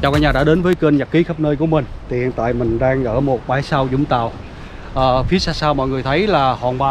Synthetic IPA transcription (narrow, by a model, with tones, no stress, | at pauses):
t͡ɕaː˨˩kaː˧˥ɲaː˨˩ɗa̰ː˧˥ɗe˨˦nvəː˨˦jkə˧nɲa˨˩kːi˨˦xə˦˥p̚nəː˧jku˧˩əmï˨˩ŋ̟t̪ʰi˨˩hi˨nt̪a̰ː˧˨jmï˨˩ŋ̟ɗaː˧ŋʔəː˧˩mo˨˩t̚ɓaː˧˩jsaː˧wzʊ̰˧˥ŋ͡mt̪a̰ː˧˨w | ʔəː˨˩fi˨˦əsaː˧saː˧wmɔ̰˧˨jŋɨ˨˩əjt̪ʰə˨˦jlaː˨˩hɔa̰ː˨˩nɓaː˨˩